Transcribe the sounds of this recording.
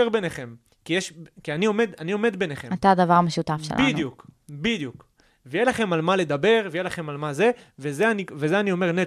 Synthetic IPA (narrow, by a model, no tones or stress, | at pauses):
eʁbeneχe̞m | kijeʃkianio̞med̪anio̞me̞d̪be̞neχeat̪ad̪avaʁameʃut̪afʃḛlʔinjukbid̪juk | vejelaχe̞malmale̞d̪abe̞ʁvejelaχe̞malmaze̞vezeanivezeanio̞me̞ʁne